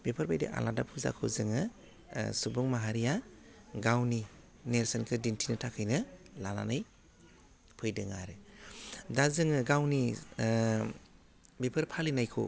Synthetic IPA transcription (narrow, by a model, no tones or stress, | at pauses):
bepʰɯɾbajdḛʔa̰ladapʰuza̰kʰɯzɯŋɯ | subuŋmaɦaɾijaɡawni | neɾsɯnkʰɯdintʰinɯtʰakʰɯjnɯlana̰naj | pʰɯjdɯŋa̰ɾɯ | dazɯŋɯɡawni | bepʰɯɾpʰalinajkʰo̰